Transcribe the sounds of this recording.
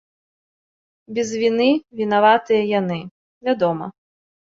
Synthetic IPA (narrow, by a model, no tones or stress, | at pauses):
bʲɛzvʲinɨvʲinavat̪ɨjɐjanɨ | vʲad̪ɔmɐ̰